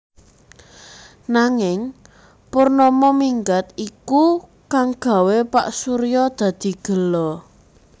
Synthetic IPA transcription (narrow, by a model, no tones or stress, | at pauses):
naŋɪŋ | purnɔmɔmiŋɡat̪iku | kaŋɡ̥a̤wepa̰ʔsuɾijɔd̪̥ä̤d̪̥i̤ɡ̥ə̤lɔ